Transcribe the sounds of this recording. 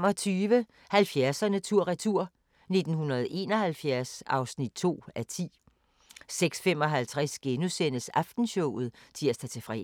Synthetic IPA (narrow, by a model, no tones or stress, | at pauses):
mɒ̽t͡sʰyːʋə | hælfjæɐsɐnət͡sʰuɐ̰ʁat͡sʰuɐ̰ | ne̝d̥n̩hunɐð̞ˠʔe̝ːnɒ̽ɦælfjæɐsɑ̈ʊsnid̥̚t͡sʰo̝̰ːæt͡sʰḭː | seɡ̥sfem̰ɒ̽ɦælt͡sʰʁasɡ̥enusen̰əsɑ̈fd̥n̩ɕɔʊ̰ð̩ˠt͡sʰiæsd̥ʰæt͡sʰe̝fʁɛ̰